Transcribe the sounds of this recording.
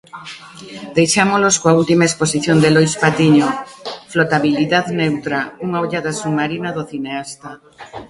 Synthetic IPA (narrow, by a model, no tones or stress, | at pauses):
d̪ejʃamoloskoault̪imaesposiθjond̪elojspat̪iɲoflot̪aβiliðaðnewt̪ɾauŋaoʎaðasumaɾinaðoθineast̪a